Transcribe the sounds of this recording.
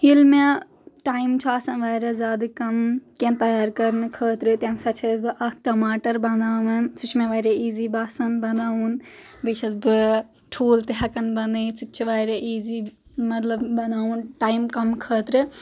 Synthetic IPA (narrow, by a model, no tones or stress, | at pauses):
ɦilme | ʈaːimt͡ʃʰuaːsɐnʋaːjɾɐzʲaːd̪ɨkɐmkẽnt̪ɐjaːɾkɐɾnɨkʰəːt̪ɾɨt̪amsɐt͡ʃʰiɐsbɨʔɐkʰʈɐmaːʈɐɾbɐnd̪aːʋɐnt͡ʃʰut͡ʃʰmẽʋaːjɾeiːziːbaːsɐnbɐnd̪aːunbit͡ʃʰɐsbɨ | ʈʰuːlt̪eɦɐkɐnbɐnd̪ɨsʰitt͡ʃʰiʋaːjɾeʔiːziː | mɐt̪lɐbbɐnd̪aːunʈaːimkɐmkʰəːt̪ɾɨ